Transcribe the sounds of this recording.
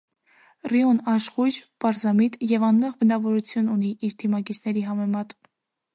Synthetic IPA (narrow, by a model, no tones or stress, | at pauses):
riɔnɑʃʁud͡ʒpɑɾzɑmit̪jɛvɑnmɛʁbənɑvɔɾut͡sʰjununiʔiɾd̪ʰimɑkit͡sʰnɛɾiɦɑmɛmɑt̪